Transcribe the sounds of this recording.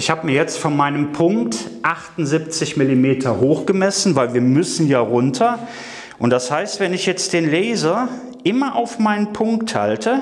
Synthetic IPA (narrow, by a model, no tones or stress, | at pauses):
ʔɪçhaːbəmiɐjɛt͡stfɔnmaɪnəmpʰʊŋktʔaχtʊnzip̚t͡sɪçmɪlimeːtʰɐhoːxɡ̥əmɛsn̩vaɪlviːɐmʏsn̩jaːʁʊntʰɐ | ʔʊntd̥ashaɪstv̥ɛnɪçjɛt͡std̥eːnlɛːzɐ | ʔɪmɐʔaʊfmaɪnənpʰʊŋktha̰ltʰə